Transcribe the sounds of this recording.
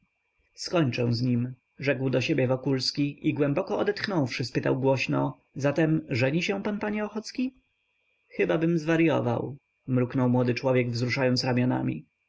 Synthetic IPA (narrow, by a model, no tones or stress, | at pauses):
skɔɲt͡ʂɛ̃zɲim | ʐɛɡwd̪ɔɕebʲjɛvɔkulskʲiiɡwɛmbɔkɔɔd̪ɛt̪xnɔ̃wfʂɘspɘt̪awɡwɔɕnɔ | zat̪ɛmʐɛɲiɕɛ̃w̃panpaɲɛɔxɔt̪skʲi | xɘbabɘmzvaɾjɔ̰va̰w | mɾuknɔwmwɔd̪ɘt͡ʂwɔvʲjɛɡvzɾuʂajɔnsɾamʲjɔna̰mʲḭ